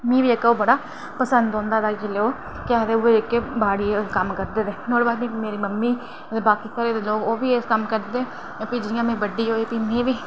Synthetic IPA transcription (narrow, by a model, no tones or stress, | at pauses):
mĩːʋiːekːoːbəɽaː | pəsənd̪ɦõːnd̪aːd̪aːd͡ʒileːoː | kɪaːd̪eːʊeɪkːebaːɽiːkəmkəɾd̪eːd̪eːnoːɽbaːd̪nĩːmeːɾiːməmːiː | ət̪eːbaːkiːsaːɾeːd̪eːloːkoːʋiːeːskəmkəɾd̪eːt̪eː | piːd͡ʒɪɪjãːmẽːbəɖːiːɦoːiːpiːmẽːʋiː